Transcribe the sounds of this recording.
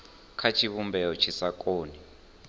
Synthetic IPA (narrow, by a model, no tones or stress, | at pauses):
kʰat͡ʃʰiβumbɛɔt͡ʃʰisakʼoːni